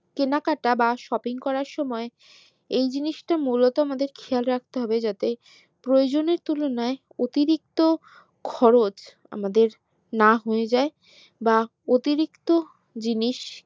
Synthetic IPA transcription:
kenakaʈabaʃɔpiŋkɔɾaɾʃɔmɔe | ejd͡ʑiniʃʈamulot̪oamad̪eɾkʰealɾak̚ʰt̪eɦɔbed͡ʑat̪e | pɾood͡ʑoneɾt̪ulonae | ot̪iɾik̚t̪o | kʰɔɾot͡ɕ | a̰mad̪eɾ | naɦoed͡ʑae | ba | ot̪iɾikt̪o | d͡ʑiniʃ

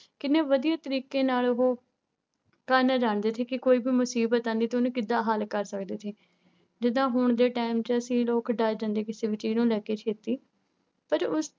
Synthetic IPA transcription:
kɪneːʋəd̪ijaːt̪əɾiːkeːnaːlʊɦoː | kəːɾneːd͡ʒaːɳd̪eːt̪ʰeːkɪkoːiːbiːmʊsiːbət̪ãːnd̪iːt̪ːʊnũːkɪd̪ːãːɦəlkəɾsəkd̪eːt̪ʰeː | d͡ʒɪd̪ãːɦʊɳd̪eːʈaːɪmt͡ʃəsĩːloːkɖaːjd͡ʒãːnd̪eːkɪseːʋɪt͡ʃiːnũːlɛːkeːt͡ʃʰeːt̪iː | pəɾʊs

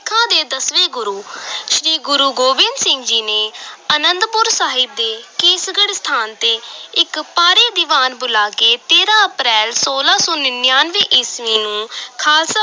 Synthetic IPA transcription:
kʰãːd̪eːd̪əsʋeːɡʊɾuːʃɾiːɡʊɾuːɡoːbɪnd̪sɪ̃ŋɡd͡ʒiːneːənənd̪pʊɾsaːɦɪb̚d̪eːkeːsɡəɽst̪ʰaːnt̪eːɪkpaːɾeːd̪ɪʋaːnbʊlaːkeːt̪eːɾãːəpɾɛːlsoːlaːsõːnɪnjaːnʋeːʔɪsʋiːnũːkʰaːlsə

